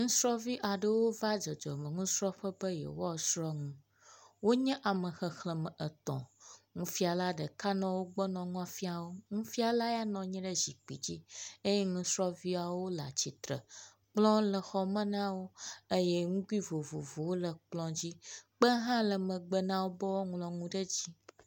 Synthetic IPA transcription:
ŋũ˦sɾɔ˦vi˦ʔa˨ɖə˦wo˦va˦d͡ʒɔ˨d͡ʒɔ̰˨mə˨ŋũ˦sɾɔ˦ɸə˦bə˦jɛ̰˨wo˦a˦˨sɾɔ˦ŋũ˦ | wo˦ɲɛ̃˦ʔa˨mə̃˨xə˨xlə˨mə̃˨ʔə˨t̪ɔ̰̃˨ŋũ˦fi˦a˨la˦ɖə˨ka˦nã˦wo˦ɡ͡bɔ˦nɔ̃˨ŋũ˦a˨fi˦a˨wo˦ŋũ˦fi˦a˨la˦ja˦nɔ̃˨ɲɛ̃˦ɖə˦zi˨k͡pḭ˨d͡ʑi˦e˦jɛ˦ŋũ˦sɾɔ˦vi˦a˨wo˦la̰˨t͡ɕi˨t̪ɾə̰˨ | k͡plɔ̃˦lə˨xɔ˦mə̃˦nã˦wo˦e˦jɛ˦ŋũ˦ku˦i˦vo˨vo˨vo˨wo˦lə˨k͡plɔ̃˦d͡ʑi˦k͡pə˦ɦã˦lə˨mə̃˨ɡ͡bə˦nã˦wo˦bɔ˦wo˦ŋlɔ̃˨ŋũ˦ɖə˦d͡ʑi˦

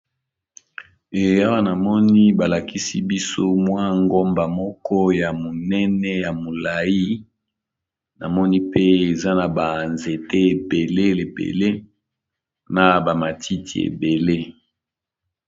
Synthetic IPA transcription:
e˨ja˦wa˦na˨mɔ˦ni˦ba˨la˨ki˦si˦bi˦so˦mwa˦ŋɡo˦mba˨mɔ˦kɔ˦ja˨mo˨nɛ˦nɛ˦ja˨mo˨la˨ji˦ | na˨mɔ˦ni˦pe˦e˨za˦na˨ba˨nze˨te˦e˨be˨le˦le˨pḛ˨le˦ | na˨ba˨ma˨tʰi˦tʰi˨ḛ˨be˨le˦

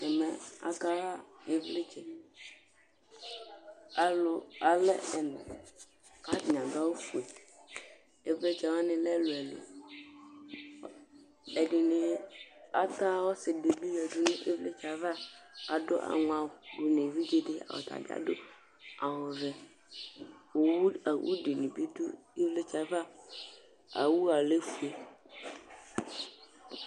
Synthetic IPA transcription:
ɛ˨mɛ˨a̰˨ka˦va˦e˦vle˦t͡ʃɛ˨ | a˨lʊ˨a˨lɛ˦ɛ˨nɛ̰̃˨ | ka˦˨ɲ˨ã˨d̪a˦wo˦fu˨e˨ | e˨vle˦t͡ʃɛ˨wɔ˦nɪ̃˨lɛ˦lo˨ɛ˨lḛ˨ | ɛ˨ɖi˨nẽ˨a̰˦t̪a˦wo˦se˨ɖe˨bi˦jɛ˨du˦nẽ˦ʔe˦vle˦t͡ʃa˨va˦a˨ɖo˦ʔa̰˨ŋũ˨a˨wo˨bu˨nẽ˨vi˦d͡ʒe˦ɖe˦a̰˨wo̰˨t̪a̰˨ɡa̰˨ɖo˦ | a˨wõ˨vɛ˨ | wo˨˦˨wʔṵ˦ɖe˨nũ˨bi˦du˦e˦vle˦t͡ʃa˨va˦ | a̰˨wu˦a˨le˦fu˦˨e˨

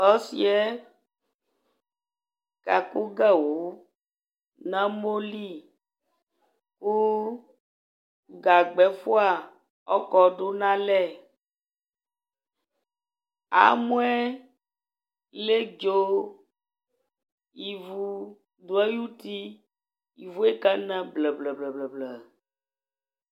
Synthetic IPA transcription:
ɔ˦sḭ˦ɛ˦ | ka˨ku˦ɡa˦˨wu˨˦ | nã˦mo˦li˦˨ | ku˦ | ɡa˨ɡ͡bɛ˨˦fu˦a˨ | ɔ˦kɔ˨ɖo˦nã˦lɛ˦˨ | a̰˨mũ˦ɛ˦ | le˦d͡ʒo˦ | i˨vu˨˦ | d̪o˨˦ɛ˦ju˦t̪i˦ | i˨vu˦e˦kɛ˦nɛ̃˦blɛ˨blɛ˨blɛ˨blɛ˨blɛ˨

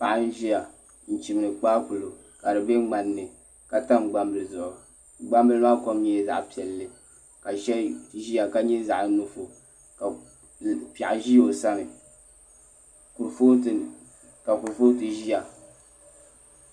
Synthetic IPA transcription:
pa˨ʔa˦n̩˦ʒi˦ja˨ | n̩˨t͡ʃi˨m˨nɨ˨k͡paː˦ku˨lo˨ | ka˨dɨ˨be˦ŋ͡ma˨nːɨ˨ | ka˨ta˦mɡ͡ba˦mbɨ˨lɨ˨zʊ˨ʔʊ˨ | ɡ͡ba˦mbɨ˦lɨ˦maː˦ko˦mɲ˨ɛ˨za̰˨ʔpi˨ɛ˨lːɨ˨ | ka˨ʃɛ˦ʒi˦ja˨ka˦ɲɛ˦za˨ʔnu˨fo˨ | ka˨ | pa˨ʔʒi˦jo˨sa˦nɨ˨ | ku˨ɾfo˦t | ka˨ku˨ɾfo˦tɨ˨ʒi˦ja˨

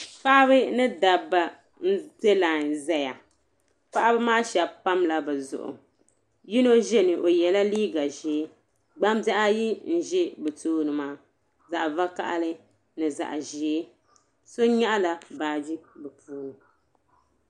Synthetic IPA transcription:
pa˦ʔa˦βɨ˦nɨ˦da˨ba˨ | n̩˦te˦la˨n˨zɛ˦ja̰˨ | pa˦ʔa˦bɨ˦maː˦ʃɛ˨bpa˦mla˨bɛ˨zʊ̰˨ʔʊ̰˨ | ji˦no˦ʒɛ˦nɨ˨ʔo˨jɛ˨la˦liː˦ɡa˨ʒi˨˦ | ɡ͡ba˦mba˦ʔa˦ji˦n̩˨ʒɪ˦bɛ˨toː˦nɨ˨maː˦ | za˨ʔva˦ka̰˦ʔa̰˦lɨ˦ | nɨ˨za̰˨ʔʒi˨˦ | so˦ɲa˦ʔa˦la˨baː˨d͡ʒi˦bɛ˨puː˦ɾu˨

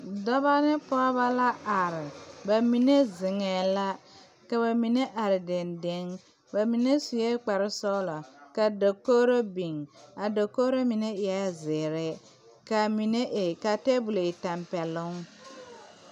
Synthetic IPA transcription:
dɔ˦βa˦nɪ˦pɔ˦ba˦la˦ʔa˨ɾɪ˨ba˨mi˨ne˦zɪ˨ŋɛ˨la˦ | ka˨ba˨mi˨ne˦ʔa˨ɾɪ˨dɪ˨ndɪ˦ŋ | ba˨mi˨ne˦su˨je˦k͡pa˨ɾɪ˦sɔ˦lɔ˨ka˨do˨koː˦ɾo˦bi˨ŋa˨do˨ko˦ɾo˦mi˨ne˦ɪ˨a˦zɪː˨ɾɛ˦ | ka˨mi˨ne˦ʔe˨ka˨te˦bu˨lo˨ɪ˨ta˨mpɛ˨lʊ˦ŋ

